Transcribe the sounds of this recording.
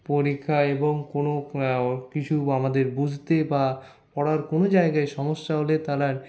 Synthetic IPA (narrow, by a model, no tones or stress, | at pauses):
poɾikʰːaeboŋkono | kit͡ɕʰuamad̪eɾbud͡ʑʱt̪eba | pɔɽaɾkonod͡ʑaeɡaeʃɔmoʃːaɦolet̪aɾaɾ